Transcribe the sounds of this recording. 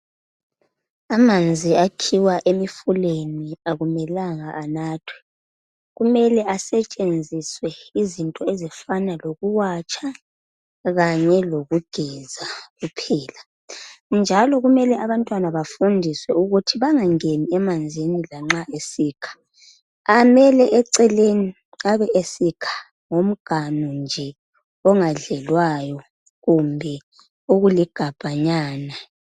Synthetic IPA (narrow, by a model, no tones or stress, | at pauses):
amand͡zʱiakʰiwaʔemifuleniaɣumɛlaŋaʔːnaːtʰwɛ̥ | ɣumɛlɛʔasɛt͡ʃʼend͡zʱiswɛizintʼɔezifanaloɣuwat͡ʃʰʼa | ɣaɲɛloɣuɡ̥ʱɛzaɣupʰɛːla | nd͡ʒʱalɔɣumɛlɛʔaβantʼwanaβafundʱiswɛuɣutʰiβaŋaŋeniɛmand͡zʱinilaŋ͡ǁaʔesiːkʰḁ | amɛlɛʔɛǀɛleni | aβɛʔesikʰḁ | ŋom̩ɡ̥ʱanund͡ʒʱɛ | ɔŋaɮɛlwajɔ | ɣumbʱɛ | oɣuliɡ̥ʱab̥ʱaɲaːna